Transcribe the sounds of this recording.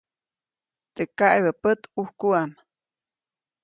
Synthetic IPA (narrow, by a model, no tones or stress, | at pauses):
t̪ekaʔjβəpət̪uhkuam